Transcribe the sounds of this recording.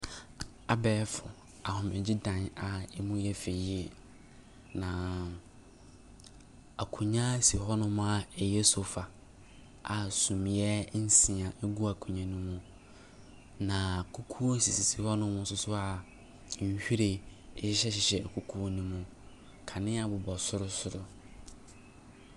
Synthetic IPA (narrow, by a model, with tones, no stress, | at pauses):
a˨bɛː˦fʊ̰˨ | a˨hʊ̃˨mɪ̃˨d͡ʑɪ˦dã˨na˨ɛ˦mũ˦jɛ˦fe˨˦e˨ | nã˨ | a˨kʰũ˨ɲã˦si˨hɔ˦nʊ̃˦m̃˦a˦˨ɛ˨jɛ˦sʊ˨˦fa˨ | ʔa˨sũ˨m˨jɛ˦n̩˦sɪ̃˨ã˨ʔe˦ɡu˦a˨kʰũ˨ɲã˦nũ˦mũ˦ | nã˨kʰu˦kʰu˦o˦si˨si˨si˨hɔ˦nʊ̃˦mʊ̃˦n̩˦sʊ˦sʊ˦a˨˦ | ɲ̩˦hᶣi˦ɾe˨˦ɕɪ˦ɕɛ˦ɕɪ˨ɕɛ˨kʰu˨kʰu˦o˦nũ˦mũ˦ | kʰa˨nɪ̃˦a˨bʊ˨bɔ˨sʊ˦ɾʊ˦sʊ˨ɾʊ˦